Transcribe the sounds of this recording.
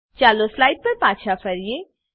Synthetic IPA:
t͡ʃaːloslaːɪɖ̚pɐɾpãːʃʰapʰɐɾije

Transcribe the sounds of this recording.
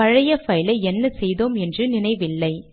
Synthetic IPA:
ɐɻɐjɐfɐjlɐɪɛnːɐsɛjðoːmɛndrɯnɪnɐɪʋɪlːɐɪ

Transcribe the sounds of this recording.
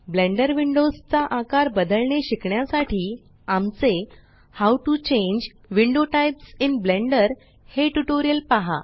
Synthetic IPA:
blẽɳɖəɾʋiɳɖost͡saʔakaɾbəd̪əlɳeɕikɳjasaʈiː | amt͡se | hawʈut͡ɕẽɲd͡ʑ | ʋiɳɖoʈajpsinblẽɳɖəɾ | heʈuʈoɾijəlpaɦa̰

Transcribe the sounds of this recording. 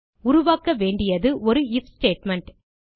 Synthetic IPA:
ʊɾʊʋaːkːɐʋeːɳɖɪjɐðɯʔɔɾɯɪfsʈeːʈmɛɳʈ

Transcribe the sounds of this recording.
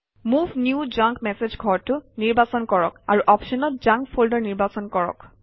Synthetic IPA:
mubʱnjud͡ʒãŋkmɛsed͡ʒɡʱɔɹtʊniɹbasɔnkɔɹɔkaɹuʔɔpʃɔnɔt̚d͡ʒãŋkpʰoldɔɹniɹbasɔnkɔɹɔ̰k

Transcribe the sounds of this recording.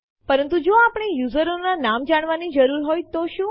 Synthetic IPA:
pəɾənt̪ud͡ʒoapɳ̃ejuzəɾonanamd͡ʒaɽ̃ʋanid͡ʒəɾuɾɦojt̪oʃũ

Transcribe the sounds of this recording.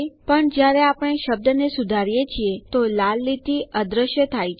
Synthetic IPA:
pəɳd͡ʒjaɾeapəɽ̃eʃəb̚d̪ənesud̪ʱaɾijet͡ʃʰiet̪olalːit̪iʔəd̪ɾəʃjət̪ʰajt͡ʃʰ

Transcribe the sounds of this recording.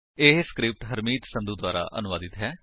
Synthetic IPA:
eːɦskɾɪp̚ʈɦəɾmiːt̪sə̃md̪uːd̪waːɾa̰ːʔə̰nʊʋaːd̪ɪt̪ɦɛː

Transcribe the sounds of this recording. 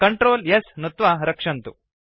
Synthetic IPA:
kɐɳʈɾoːljesnut̪ʋaɾɐkʂɐnt̪u

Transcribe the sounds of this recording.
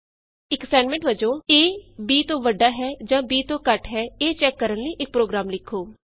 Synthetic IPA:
ɪksɛːɳmɛ̃ɳʈʋəd͡ʒõːeːbiːt̪õːʋəɖaːɦɛːd͡ʒãːbiːt̪õːkəʈɦɛːeːt͡ʃɛːkːəɾənləiːʔɪk̚pɾoːɡɾaːmlɪkʰːoː

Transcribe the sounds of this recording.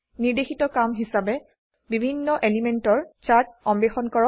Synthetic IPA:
niɹdexitɔkamɦisabɛ | bibʱinːɔʔelimentɔɹt͡ʃaɹt̚ɔmbexɔnkɔɹɔ

